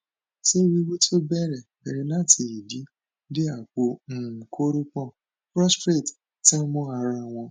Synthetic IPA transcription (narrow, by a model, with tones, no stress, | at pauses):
se˦ɾi˦wo˦ti˦o˦bɛ˦˨ɾɛ˨bɛ˨ɾi˧nã˦˨tʰi˨i˨di˨˦ | di˦a˦˨k͡po˧m̩˦˨kʰo˦ɾo˦k͡pɔ̃˦˨ | pɾɔ˦stɾe˦˨t | ti˦mɔ̃˦a˧ɾa˧w̃ɔ̃˧